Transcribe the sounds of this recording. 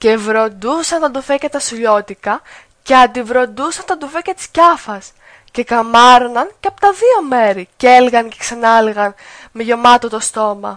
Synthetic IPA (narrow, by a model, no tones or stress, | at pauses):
ce̞vɾo̞nd̪usɐnt̪ɐd̪ufecet̪ɐsuʎo̞t̪ikɐ | ce̞ɐnd̪ivɾo̞nd̪usɐnt̪ɐd̪ufecet̪i̥scɐfɐs | ce̞kɐmɐɾonɐnceɐpot̪ɐðio̞me̞ɾiceelɣɐnce̞ksɐnɐleɣɐn | meʝo̞mɐt̪ot̪o̞st̪o̞mɐ̰